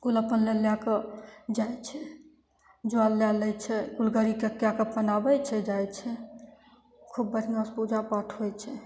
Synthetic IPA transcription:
kuləpənleljaked͡ʒajt͡ʃʰɛ | d͡ʒualːjalɛjt͡ʃʰɛkulɡəɾikekjakepənabɛt͡ʃʰɛd͡ʒajt͡ʃʰɛ | kʰubːəɾinãspud͡ʒapaʈʰɦojt͡ʃʰɛ

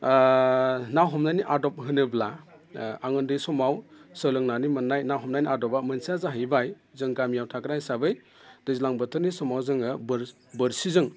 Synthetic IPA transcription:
nawɦɔmnajniʔadɔp̚ɦɯnɯbla | aŋɯndɯjsɔmawsəlɯŋnanimɯnːajnawɦɔmnajniadɔbamɐnsiazaɦɯjbaj | zɯŋɡamjawtʰakɾajsabɯj | d̥ɯzilaŋbətʰɯɾnisɔmawzɯŋɯbɯɾ | bɯɾsizɯŋ

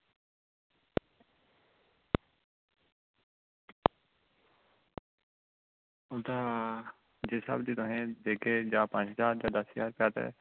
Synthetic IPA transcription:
ʊt̪aː | d͡ʒeːsə̰bd̪iːt̪ʊɦẽːd̪eːkeːd͡ʒaːpãːt͡ʃɦzaːɾd͡ʒaːd̪əsjaːɾpjaːt̪ḛː

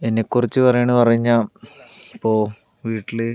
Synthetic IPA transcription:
enːekːurit͡ɕːɨpɐrɐjaːɳːɨpɐrɐjiɲːa | ipːoː | ʋiːʈːilɨ

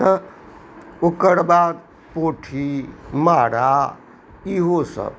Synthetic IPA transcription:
ə | okəɽbaːd̪ | poːʈʰimaːɽa | iɦosə̰

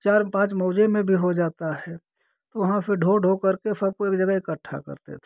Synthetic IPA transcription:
t͡ʃaːɾpãːt͡ʃmɔːd͡ʒemẽbʱiɦod͡ʒaːt̪aɦɛː | t̪oʋɐɦãfɪɾɖʱoːɖʱokɐɾkesɐb̚koeːkd͡ʒəɡəɪkəʈʰːa̰kə̰ɾt̪ḛt̪ʰe̥

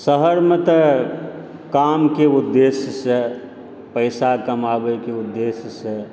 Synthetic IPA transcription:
səɦəɾmət̪ə | kaːmkeʊd̪ːeːsjəse | pəɪsakəmaːbəjkeʊd̪ːeːsjəse

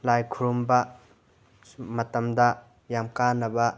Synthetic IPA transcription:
lajkʰuɾumbɐ | mɐtɐmd̪ɐ | jamkanɐbɐ

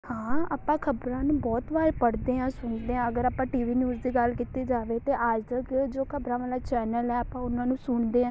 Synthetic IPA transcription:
hãːaːpãːkʰəbɾãːnũːbɔːt̪ʋaːɾpəɽd̪eːɦãːsʊɳd̪eːɦãːəɡəɾaːpãːʈiːʋiːnjuːzd̪iːɡəlkiːt̪eːd͡ʒaːʋeːt̪eːʔaːd͡ʒd̪əːkeoːd͡ʒoːkʰəbɾãːʋaːlaːt͡ʃɛːnəlɦɛːəpãːʊnãːnũːsʊɳd̪eːãː

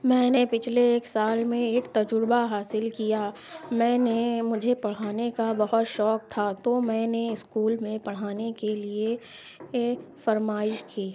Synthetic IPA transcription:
mɛ̃ːnepɪt͡ʃʰleːksaːlmẽeːkt̪ɐd͡ʒʊɾbaɦaːsɪlkija | mɛ̃ːnemʊd͡ʒʱepɐɽ̤aːnekabɐɦʊt̪ʃɔːk̚t̪ʰat̪omɛ̃ːneɪskuːlmẽpɐɽ̤aːnekelie | fɐɾmaːɪʃkiː

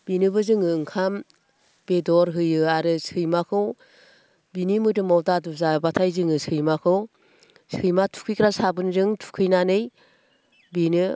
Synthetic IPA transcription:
binɯbɯzɯŋɯːŋkʰam | b̥edɔɾɦɯjɯaɾɯsɯjmakʰɯw | binimɯdɯmawdaduzabatʰajzɯŋɯsɯjmakʰɯw | sɯjmatʰu̥kʰɯjkʰɾasabɯnzɯŋtʰu̥kʰɯjnanɯj | binɯ

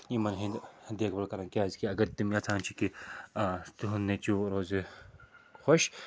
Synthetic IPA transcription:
imɐnɦĩd̪eːkʰbɐlkɐɾɐ̃nkiaːzkiɐɡɐɾt̪umjat͡sʰãːnt͡ʃʰiki | t̪uɦunːet͡ʃuɾoːze | xoʃ

